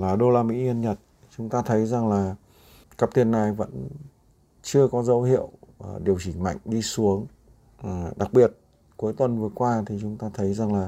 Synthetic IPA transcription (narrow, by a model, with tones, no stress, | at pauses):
laː˨˩ɗo˧laː˧˩mḭ˧˥ʔi˧ənɲə˨˩t̚ | t͡ɕʊ˨˦ŋ͡mt̪aː˧t̪ʰə˨˦jza˨˩ŋlaː˨˩ | ka˦˥p̚t̪i˧˩ənːa˨˩jvə̰˧˥n | t͡ɕɨ˧əkɔ˨˦zə˨˦whḭ˧˨əwɗi˨˩əwt͡ɕï˧˩ŋ̟ma̰˧˨jŋ̟ɗi˧su˨˦əŋ˨˩ | ɗa˨˩k̚ɓi˨˩ət̚ | ku˨˦jt̪wə˨˩nvɨ˨˩əkwaː˧t̪ʰi˨˩t͡ɕʊ˨˦ŋ͡mt̪aː˧t̪ʰə˨˦jza˨˩ŋlaː˨˩